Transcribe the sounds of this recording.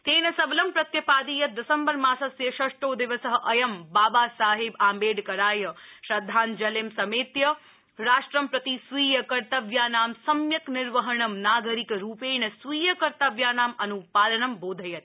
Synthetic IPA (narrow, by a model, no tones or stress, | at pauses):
t̪eːnɐsɐblɐmpɾɐt̪jɐpaːd̪iːjɐt̪̚d̪ɐsɐmbɐɾmãːsɐsjɐʃɐʂʈoːd̪ɪʋəsəɦɐʔɐjɐmbaːbaːsaːɦibaːmbeːɖkɐɾaːjəʃɾɐd̪ʱːaːnd͡ʒɐlemsɐmeːt̪jɐ | ɾaːʃʈɾɐmpɾɐt̪isʋiːjɐkɐɾt̪ɐʋjaːnaːmsɐmjɐknɪɾʋɐɦɐɳɐmnaːɡəɾikɾuːpeːnɐsʋiːjɐkɐɾt̪ɐʋjaːnaːmɐnupaːlɐɳɐmboːd̪ʱɐjɐt̪̚